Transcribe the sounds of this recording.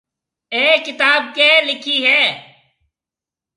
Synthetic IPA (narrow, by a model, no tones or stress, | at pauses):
eːkɪt̪aːb̚kelɪkʰiɦɛː